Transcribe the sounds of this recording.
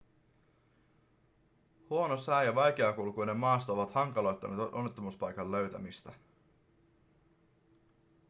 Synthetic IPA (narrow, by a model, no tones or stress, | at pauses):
huo̞no̞sæjjɑʋɑjk̟eɑkulkujne̞mːɑːst̪ɑo̞ʋɑt̪hɑŋkɑlo̞jt̪ːɑnet̪ʔo̞nːet̪ːomuspɑjkɑlːø̞ɥt̪æmist̪æ